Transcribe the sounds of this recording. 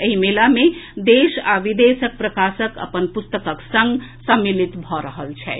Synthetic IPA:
əɦimelamed̪esaʋid̪esək̚pɾəkasəkə̰pənpust̪əkəksə̃ŋɡsəmːilit̪bʱɔɾəɦəlt͡ʃʰɛ

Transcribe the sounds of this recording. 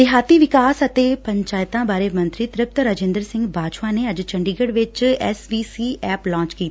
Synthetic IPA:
ɪɦaːt̪iːʋɪkaːsət̪eːpəɲt͡ʃaːjɪt̪ãːbaːɾemə̃nt̪ɾiːt̪ɾɪp̚t̪ɾaːd͡ʒẽːnd̪əɾsɪ̃ŋɡbaːd͡ʒʋãːneːəd͡ʒt͡ʃə̃ɳɖiɡəɽʋɪt͡ʃɛːsʋiːsiːɛːplɔ̃ːɲt͡ʃkiːt̪ː

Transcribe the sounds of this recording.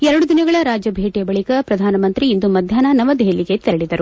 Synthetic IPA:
ɛɾɐɽud̪inɐɡɐɭɐɾaːd͡ʒɐbʱeːʈijɐbɐɭikɐpɾɐd̪ʱaːnɐmɐnt̪ɾiːnd̪umɐd̪ʱjaːnɐnɐʋɐd̪eɦɐlːiɡe̞t̪eɐɽid̪ɐɾu

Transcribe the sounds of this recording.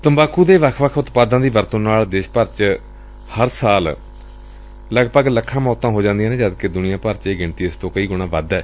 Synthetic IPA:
t̪əmbaːkuːd̪eːʋəkʰʋəkʰʊt̪paːd̪ãːd̪iːʋəɾt̪õːnaːɭd̪eːʃpəɾt͡ʃ | həɾsaːl | ləɡpəɡləkʰːãːmɔːt̪ãːɦoːd͡ʒãːnd̪iãːnẽːd͡ʒəd̪ked̪ʊnijãːpəɾt͡ʃeːɡɪɳt̪iːɪst̪õːkəiːɡʊɳ̃ãːʋəd̪ɛː

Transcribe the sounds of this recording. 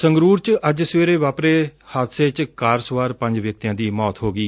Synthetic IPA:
sə̃ŋɡɾuːɾt͡ʃəd͡ʒsweːɾeːʋaːpɾeːhaːt̪seːt͡ʃkaːɾsʋaːɾpə̃ɲd͡ʒʋjək̚t̪ijãːd̪iːmɔːt̪ɦoːɡiː

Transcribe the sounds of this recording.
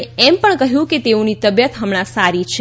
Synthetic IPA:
ɛmpəɳkəɦjũket̪eũnit̪əbjət̪ɦəmɽ̃ãsaɾit͡ʃʰ

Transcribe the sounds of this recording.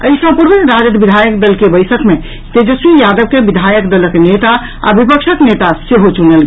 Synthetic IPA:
əisə̃puɾʋənɾad͡ʒət̪bid̪ʱajəkd̪əlkebəjsəkme | t̪ed͡ʒəsmijad̪əbkebid̪ʱajəkd̪ələknet̪a | a̰bipəkʃʰəknet̪aseɦot͡ʃunelɡe

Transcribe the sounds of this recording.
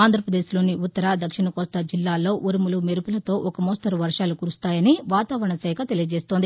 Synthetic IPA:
aːnd̪ʱɾɐpɾɐd̪eːslo̞ːniʔut̪ːɐɾaːd̪ɐkʂiɳɐkɔːst̪ɐd͡ʒilːaːlo̞ːʔuɾimulumeɾupulɐt̪o̞ːʔɔkɐmoːst̪ɐɾuʋɐɾʂaːlukuːɾust̪aːjɐniʋaːt̪aːʋɐɾɐɳɐsɛːkɐt̪e̞lijɐd͡ʒeːst̪ond̪i

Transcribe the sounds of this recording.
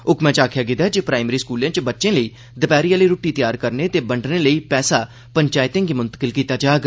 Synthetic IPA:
ʊkmɛ̃ːt͡ʃaːkʰjaːɡɪd̪aːd͡ʒepɾaːɪmɾiːskuːlãːt͡ʃbətːʃẽːləiː | d̪əpɛːɾijãːləiːɾoːʈiːt̪ɪjaːɾkəɾneːt̪eːbəɳɖneːləiːpɛːsaː | pəɲt͡ʃaːɪt̪ẽːŋɡiːmʊnt̪ə̥kəlkiːt̪aːd͡ʒaːɡ

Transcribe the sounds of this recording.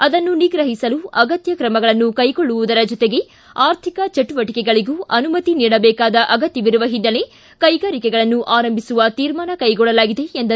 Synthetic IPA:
ɐd̪ɐnːuniɡɾɐɦisɐluɐɡɐt̪jɐkɾɐmɐɡɐɭɐnːukɐjkoɭːuʋud̪ɐɾɐd͡ʒɔt̪eɡe̞ | aːɾt̪ʰikɐt͡ʃɐʈuʋɐʈikɛɡɐɭiɡuːʔɐnumɐt̪iniːɽɐbɛːkaːd̪ɐʔɐɡɐt̪jɐʋiɾuʋɐɦinːɐle̞ | kɐjɡaːɾikɛɡɐɭɐnːuʔaːɾɐmbʱisuʋɐt̪iːɾmaːnɐkɐjɡɔɭɐlaːɡid̪e̞ːnd̪ɐ

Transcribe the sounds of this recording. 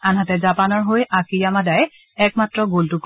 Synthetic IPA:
anɦatɛzapanɔɹɦojʔakijamadaj | ɛkmatɹɔɡoltʊk

